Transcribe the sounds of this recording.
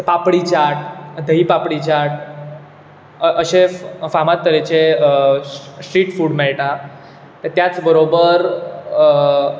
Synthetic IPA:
papɽit͡ɕaʈd̪ʱəɦipapɽit͡ɕaʈ | ʔəɕefamat̪̚ːəɾet͡ɕe | sʈɾiːʈfuːɽmeɭʈã | t̪əɾt̪jat͡sbəɾobəɾ

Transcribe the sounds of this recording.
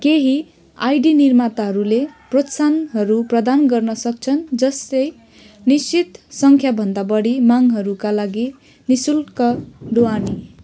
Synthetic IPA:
keɦi | ajɖinirmat̪aɦʌɾuleprot̪sanɦʌɾuprʌd̪anɡʌrnʌsʌk̚t͡sʰʌnd͡zʌst̪ʌj | nisit̪sʌŋkʰjabʱʌnd̪abʌɽimaŋɦʌɾukalaɡi | nisulkʌɖoani

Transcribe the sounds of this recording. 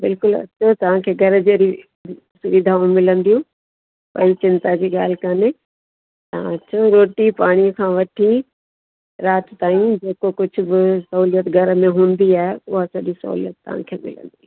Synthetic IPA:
bɪlkʊlɐ̰ɕʰot̪ɐʋ̤ãkʰeːɡʱɐɾəd͡ʑeːɾi | sʊʋid̪ʱaːʊ̃mɪlə̃nd̪ijũː | pɐ̰it͡ɕɪ̃nt̪ad͡ʑiːɠaːl̤ɪkɐnɪ | t̪ɐɦã̰ɐɕʰoɾoːʈipaːɽ̃iəkʰãːʋɐʈʰi | ɾaːt̪t̪aːĩd͡ʑeːkokʊd͡ʑʱʊ̆bɪsɐɦuːlijət̪ɡʱɐɾəmẽɦũːnd̪iaːɦeʊɦasɐʄisɐ̰ɦṵːlijət̪ːɐ̰ʋ̤ã̰kʰḛːmɪ̰lə̰̃nd̪ĩ

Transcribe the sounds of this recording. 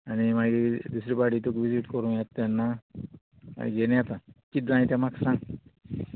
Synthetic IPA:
animaɡid̪usɾibaɽit̪ukʋiziʈkɔɾũjat̪ːɛnːa | ma̰jɡenjat̪akid̪ãjt̪amaksãŋ

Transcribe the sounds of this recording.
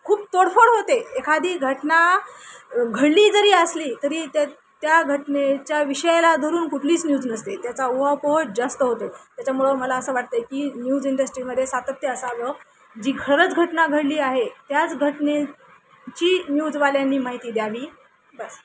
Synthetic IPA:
kʰuːpt̪oɽfəɽɦot̪eekʰad̪ʱiːɡʱəʈna | ɡʱəɽliːd͡zəɾiːəsliːt̪əɾiːt̪a | t̪jaɡʱəʈnet͡ɕjaʋiɕəjlad̪ʱoɾuːnkuʈʰliːt͡snjuːd͡znəst̪et̪jat͡sauɦawpoɦod͡zast̪əɦot̪ot̪jat͡ɕamuɭəməlaəsəːʋaʈ̚t̪əjekiːnjuːd͡ziɳɖəsʈɾiːməd̪ʱːjesat̪əpt̪jəəsaʋə | d͡ʑiːɡʰʱəɾət͡sɡʱəʈnaɡʱəɽliːaɦet̪jat͡sɡʱəʈne | t͡ɕiːnjud͡zʋaljanːiːmaɦit̪iːd̪jaʋiː | bəs

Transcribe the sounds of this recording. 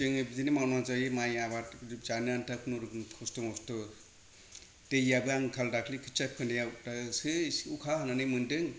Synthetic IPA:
ɯŋɯbizinimawnaŋzajɯmajabatizanɯantakʰnuɾɯkʰɔstɔŋɔstɔ | tejabɯaŋkʰaldakʰlikʰɯ̥t͡ʃap̚kʰɯndejatasɯukʰahananɯmɯndɯŋ

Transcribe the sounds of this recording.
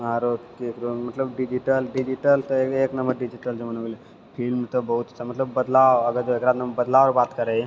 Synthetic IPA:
aɾokekɾomɐt̪ləbɖid͡ʒiʈəlɖid͡ʒiʈəlt̪ɔeeːknɐmbəɾɖid͡ʒiʈəld͡ʒomɐnole | pʰilmt̪obɐɦut̪t͡ʃʰamɐt̪ləbːəd̪laʋɐɡəd͡ʒoeːkɾad̪nɐməɾbɐd̪laːʋɾbaːt̪kəɾe

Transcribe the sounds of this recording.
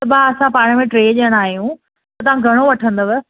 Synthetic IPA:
ɐbaɐsãpaːɽ̃ə̆mẽʈɾeːʄəɽ̃aːɦijũ | t̪ɐt̪ɐʋ̤ãɡʱɐɽ̃oʋɐʈʰə̃nd̪əʋ

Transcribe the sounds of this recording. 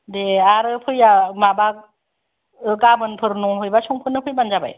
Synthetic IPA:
deaɾɯpʰɯjamabak̚ | ɯkabɯnpʰɯɾnɔpʰɯjbasɔŋpʰɯnːɯpʰɯjbanzaba̰j

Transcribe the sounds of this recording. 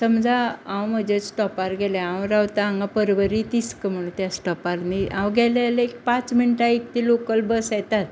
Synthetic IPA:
səmd͡zaãwm̤əd͡ʑet͡ssʈɔpaɾɡɛlaãwɾawt̪aːŋɡapəɾʋəɾit̪iskəm̤əɽ̃ũnt̪jasʈɔpaɾniʔãwɡɛlaleek̚pãt͡sminiʈaik̚t̪iːlokəlbəsjɛt̪at̪

